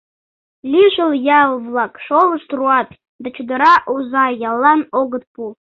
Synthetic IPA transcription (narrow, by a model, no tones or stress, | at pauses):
lʲiʒəljɑlˠvlˠɑkʂolˠəʃt̪ruɑt̪̚ʼ | d̪at͡ʃʰud̪əɾɑʔuzɑjɑlˠːɑnoɡət̪̚pu